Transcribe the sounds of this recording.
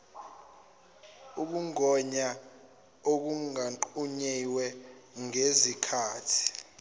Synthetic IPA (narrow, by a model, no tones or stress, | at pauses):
uk̬uŋɔɲa | ok̬uŋaǃuɲiwɛŋezikʰaːtʰi̥